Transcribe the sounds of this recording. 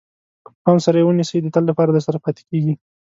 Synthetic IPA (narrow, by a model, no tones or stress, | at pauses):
ɑnsaɾajewənisəjd̪ət̪əlːapɑɾad̪əɾsaɾapɑt̪e̥keɡi